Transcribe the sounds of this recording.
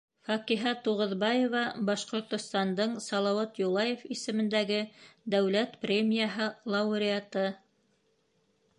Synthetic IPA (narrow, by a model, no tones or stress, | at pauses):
fɑqiɦɑt̪uʁŏðbɑjevɑbɑʃqŏɾt̪ŏst̪ɑnd̪ɤɴsɑlˠɑwɑt̪julˠɑjefisɘ̆mɘ̆nd̪æɡɘd̪æwlæt̪prʲemʲijaɦɤlˠɑuɾʲɪat̪ɤ